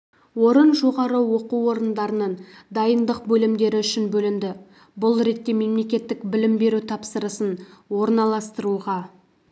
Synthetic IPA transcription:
wo̞ɾənʒo̞ʁɑɾəwo̞quwo̞ɾənd̪ɑɾənənd̪ɑjənd̪əqbɵlɪmd̪e̞ɾɪʏʃɪnbɵlɪmd̪ɪ | bʊlˠɾe̞t̪ːe̞me̞mle̞kʲe̞t̪ːɪkbɪlɪmbe̞ɾut̪ʰɑpsəɾəsənwo̞ɾnɑlˠɑst̪əɾuʁɑ

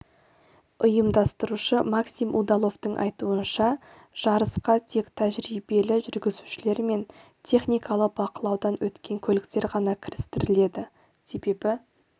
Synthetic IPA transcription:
ʊjəmd̪ɑst̪əɾuʃəmɑksimʔud̪ɑlˠo̞ft̪əɴʔɑ̰jt̪uənʃɑ | ʒ̥ɑɾəsqɑt̪ʰe̞kt̪ʰæʒɾibe̞lɪʒʏɾɡʲɪzuʃɪle̞ɾme̞n | t̪ʰe̞χnijkɑlˠəq̚bɑqəlˠɑwd̪ɑnwɵt̪kʲe̞ŋkʲʰɵlɪkt̪e̞ɾʁɑnɑkʲʰɪɾɪst̪ɪɾɪle̞d̪ɪ | se̞be̞bɪ

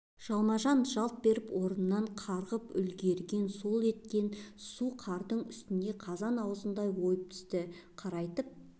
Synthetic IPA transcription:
ʒ̥ɑlˠmɑʒɑnʒɑlˠt̪̚be̞ɾɪpwo̞ɾənənːɑɴqʰɑɾʁəpʏ̰lɡʲe̞ɾɡʲe̞nso̞lˠe̞t̪̚kʲe̞nsuqʰɑɾd̪əɴʏst̪ɪnd̪e̞qʰɑzɑnɑwəzənd̪ɑjwo̞jəp̚t̪ʰʏ̥st̪ɪqʰɑɾɑjt̪əp̚

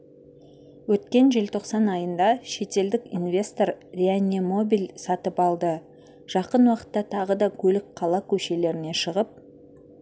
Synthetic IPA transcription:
wɵt̪kʲe̞nʒɪlt̪ʰo̞qsɑnɑjənd̪ɑʃe̞t̪e̞ld̪ɪkḭnvʲe̞st̪o̞ɾrʲeanʲːimo̞bijlsɑt̪əpɑlˠd̪ə | ʒ̥ɑqənwɑqə̥t̪ːɑt̪ʰɑʁəd̪ɑkʲʰɵlɪk̚qʰɑlˠɑkʲʰɵʃe̞le̞ɾɪne̞ʃəʁəp̚

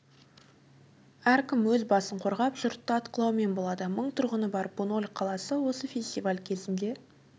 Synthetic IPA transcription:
æɾkʲɪmwɵzbɑsəɴqʰo̞ɾʁɑpʒ̥ʊɾt̪ːəɑt̪qəlˠɑwme̞nbo̞lˠɑd̪əməɴt̪ʰʊɾʁənəbɑɾbono̞lʲqʰɑlˠɑsəwo̞səfʲe̞sʲt̪ʲivalʲkʲʰe̞zɪnd̪e̞

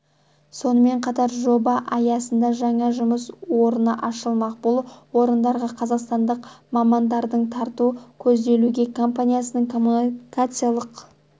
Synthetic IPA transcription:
so̞nəme̞ɴqʰɑt̪ɑɾʒo̞bɑʔɑjɑsənd̪ɑʒɑɴɑʒʊməswo̞ɾənəʔɑʃəlˠmɑqbʊlˠwo̞ɾənd̪ɑɾʁɑqʰɑzɑqst̪ɑnd̪əqmɑmɑnd̪ɑɾd̪əɴt̪ʰɑɾt̪ukʲʰɵzd̪e̞luɡʲe̞kʰo̞mpanʲijasənəɴkomukat̪sɨjalˠəq

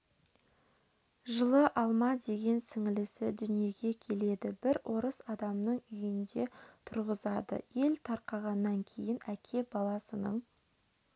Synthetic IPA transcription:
ʒəlˠəʔɑlˠmɑd̪e̞ɡʲe̞nsɪŋɪlɪsɪd̪ʏnije̞ɡʲe̞kʲʰe̞le̞d̪ɪbɪɾwʔo̞ɾəsɑd̪ɑmnəɴʏjɪnd̪e̞t̪ʰʊɾʁəzɑd̪ə̰je̞lt̪ʰɑɾqɑʁɑnːɑŋkʲʰe̞jɪnækʲʰe̞bɑlˠɑsənəɴ

